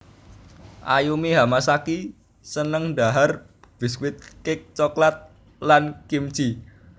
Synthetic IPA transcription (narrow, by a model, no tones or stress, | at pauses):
ʔa̰jumeɦamasaki | sənəŋɖa̤ɦar | b̥i̤skwɪt̪̚kɪk̚t͡ʃɔklat̪̚ | lankimt͡ʃi